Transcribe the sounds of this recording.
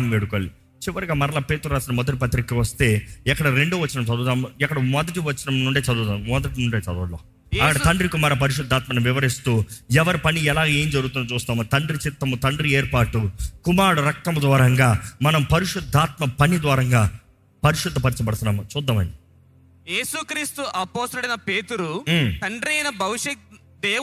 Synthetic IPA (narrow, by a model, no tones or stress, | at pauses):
mʋeːɽukoːli | t͡ʃiʋɐɾiɡaːmɐɾɐlaːpeːt̪uɾaːsinɐmɔd̪ɐʈipɐt̪ːɾikːiʋɐst̪e̞ːɛkːɐɽɐɾe̞ɳɖuːʋɐt͡ʃːinɐmt͡ʃɐd̪uːt̪aːmuɛkːɐɽɐmɔd̪ɐʈiʋɐt͡ʃːinɐmnuɳɖeːt͡ʃɐd̪uːt̪aːmmɔd̪ɐʈinuɳɖeːt͡ʃɐd̪uloː | ɐkɐɽɐt̪ɐɳɖɾikumaːɾɐpɐɾiʂ̬ud̪ʱːaːt̪̚mɐnɐmʋɪʋɐɾist̪uːɛʋɐɾipɐniɛlaːɡae̞ːmd͡ʒɐɾuɡut̪unːɐt͡ʃuːst̪aːmut̪ɐɳɖɾit͡ʃit̪ːɐmut̪ɐɳɖɾieːɾpaːʈːukumaːɽuɾɐk̚t̪ɐmud̪ʋaːɾɐŋɡaːmɐnɐmpɐɾiʂud̪ʱːaːt̪mɐpɐnid̪ʋaːɾɐŋɡaː | pɐɾiʃud̪ʱːɐpɐɾit͡ʃɐpɐɽut̪unːaːmut͡ʃuːd̪ːɐmɐ̰nɖi | jeːsukɾiːst̪uʔɐpoːst̪ɐluɽɐjnɐpeːt̪uɾut̪ɐɳɖɾiɐjnɐbʱɐʋiʂɐk̚ | d̪eː